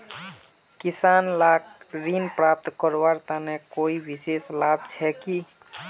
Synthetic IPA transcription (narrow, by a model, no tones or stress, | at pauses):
kɪsaːnlaːkɾinpɾaːp̚t̪kəɾʋaːɾt̪anekoːiʋɪseːslaːb̚t͡ʃʰɛki